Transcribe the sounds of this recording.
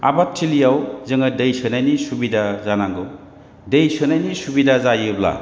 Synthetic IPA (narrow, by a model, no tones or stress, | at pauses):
a̰batʰːilijawzɯŋadɯjsʰɯnajnisubidazanaŋɡɯw | dejsɯnajnisubidazajɯbla̰